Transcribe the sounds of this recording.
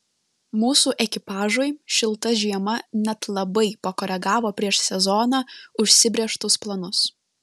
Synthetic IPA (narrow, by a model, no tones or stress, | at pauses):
muːsuːʔɛkʲɪpɑːʒoɪʃʲɪlˠt̪ɐʒʲiɛmɐnʲɛt̪lˠɐbɐɪpɐkɔːɾʲɛɡɑːʋoːpʲɾʲiɛʃsʲɛzɔːnɑːʊʃʲsʲɪbʲɾʲeːʃt̪ʊsplˠɐnʊs